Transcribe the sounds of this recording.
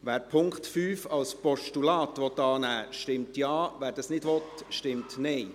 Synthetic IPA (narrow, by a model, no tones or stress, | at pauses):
ʋæːɾpʰʊŋkχtfyːfɑlspɔʃtulɑːtʋɔt̪ːɑːnæːʃtɪmtjɑːʋæːɾdɑsnɪdʋɔt̪ʃtɪmtnɛɪ